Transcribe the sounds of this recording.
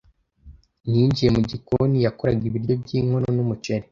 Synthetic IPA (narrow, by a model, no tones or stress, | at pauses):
niːɲɟije̞muɟikonijakoɾaɡiβiɾjo̞bɟiːŋhononumut͡ʃeɾe